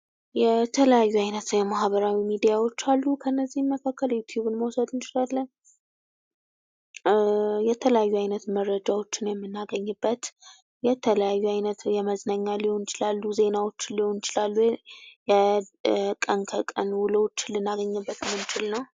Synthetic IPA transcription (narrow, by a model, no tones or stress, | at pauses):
jɛt̪ʰələjajːuajnət̪jɛmahbəɾawimid̪ijawo̞t͡ʃːalːukʰəɨnːəzːihməkʰakːəljut̪ʰjuβɨnməwsəd̪ɨnt͡ʃɪlalːəɲ | jɛt̪ʰələjajːuajnət̪mərːəd͡ʒawo̞t͡ʃːɪnjɛmːɨnːaɡəɲːɨbːət̪ | jɛt̪ʰələjajːuajnət̪jɛməznəɲːalihonɪt͡ʃɪlalːuze̞nawo̞t͡ʃːɪnlihonɪt͡ʃɪlalːujɛ | kʼənkʰəkʼənwʊləwot͡ʃːɪnlɨnːaɡəɲːɨbːət̪mɨnt͡ʃɪlnəw